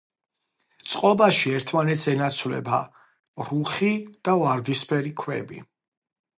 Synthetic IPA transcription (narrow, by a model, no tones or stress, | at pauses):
t̪sʼqʼɔbaʃiɛɾt̪ʰmanɛt̪sɛnat̪sʰwlɛ̰ba̰ | ɾuχid̪̥avaɾd̪ispʰɛɾikʰwɛ̰bḭ